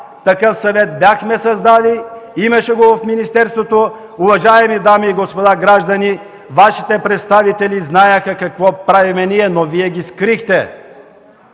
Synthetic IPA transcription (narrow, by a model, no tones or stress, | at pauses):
t̪ɐkɤfsɐvɛt̪̚bʲjaxmɛsɐzd̪aliimɐʃɛɡovɐfminist̪ɛɾst̪vot̪o | ʊvɐʒaɛmid̪amiːɡospod̪aɡɾaʒd̪ɐni | vaʃi̥t̪ɛpɾɛt̪st̪avit̪ɛliznajɛxɐkɐkvɔpɾavimɛniɛnoviɛɡʲiskɾixt̪ɛ